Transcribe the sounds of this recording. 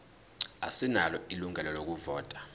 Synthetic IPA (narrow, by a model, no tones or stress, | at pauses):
a̰sinalɔiluŋɛlɔlok̬uvɔːtʼḁ